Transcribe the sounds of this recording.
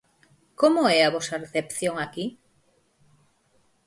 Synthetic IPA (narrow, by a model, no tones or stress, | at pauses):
komʊɛaβɔsareθepθjoŋaki